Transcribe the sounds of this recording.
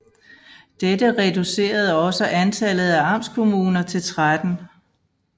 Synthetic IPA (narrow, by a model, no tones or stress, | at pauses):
d̥ed̥əʁɛd̥use̝̰ːɐð̞̩ˠɒ̽səʔænt͡sʰælð̞̩ˠæɑ̈m̰skʰo̝muːnɐt͡sʰe̝lt͡sʰʁad̥n̩